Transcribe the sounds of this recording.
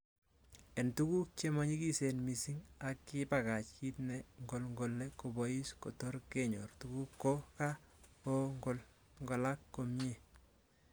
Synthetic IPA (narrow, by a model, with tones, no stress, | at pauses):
e˨ntu˦ku˦k̚t͡ʃemɔ˦ɲi˦ki˦se˨nmisi˦ŋa˨kːɪ˦paka˨t͡ʃki˦tnɛŋɡo˨lŋɡo˨lːe˦kobɔji˦sko˨to˦ɾkeɲɔ̰˨rtuku˦kːo˦kakoŋɡol | ŋɡɔ˨la˦kːo˨mje˨